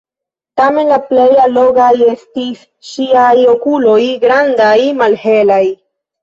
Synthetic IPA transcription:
tame̞nlaple̞jalo̞ɡaje̞stis | ʃiajo̞kulo̞jɡɾandajmalhe̞laj

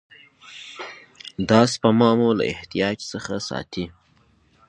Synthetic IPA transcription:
d̪ɑspəmɑmula̰ɪht̪ijɑd͡ʒsəxasɑ̰t̪i

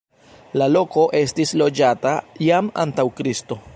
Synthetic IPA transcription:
lalo̞ko̞ʔe̞stislo̞d͡ʒatajama̰ntawkɾisto̞

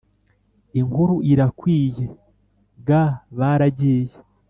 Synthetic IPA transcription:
iŋɡuɾuʔiɾakwiːje | ɡaβaɾaɟiːje

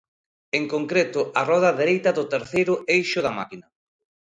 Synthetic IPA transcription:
eŋkoŋkɾet̪ʊarɔð̞ɐðeɾejt̪ɐðʊt̪eɾθejɾʊejʃʊðɐma̰kinɐ

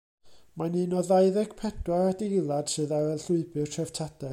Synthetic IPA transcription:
manɨːnɔðajðɛɡ̥pʰɛdwaɾadejlˠad̥sɨːðawɛlˠɬʊɨbɨrtʰrɛv̥tʰad̥ɛ

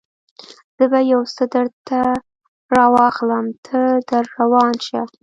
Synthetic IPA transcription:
z̥əbajawsəd̪əɽt̪a | ɾɑwɑxləmt̪ʰəd̪əɾːawɑnʃa

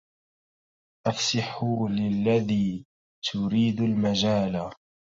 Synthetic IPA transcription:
ʔafsɪħʊlɪlːaðiː | t̪ʰʊɾiːd̪ʊlmad͡ʒaːla

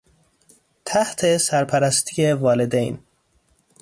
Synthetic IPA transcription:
t̪ʰæht̪ʰesæɾpʰæɾæst̪ʰijevɒːle̞d̪ḛjn

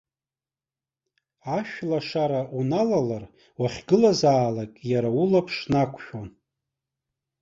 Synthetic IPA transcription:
aʃᶣlaʂaɾaʔunalalar | waχʲɡɨlazaːlakʼjaɾaulapʰʂnakʷʰʃᶣon

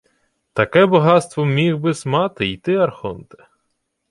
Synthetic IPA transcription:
t̪ɐkɛbɐɦɑt̪st̪ʋɔmʲiɣbɪsmɑt̪ɪit̪ɪɐrxɔnt̪e̥

